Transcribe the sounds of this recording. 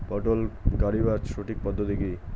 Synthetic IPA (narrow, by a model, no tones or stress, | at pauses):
pɔʈolkaɾibat͡ʃʃoʈik̚pɔd̪ʱːot̪iki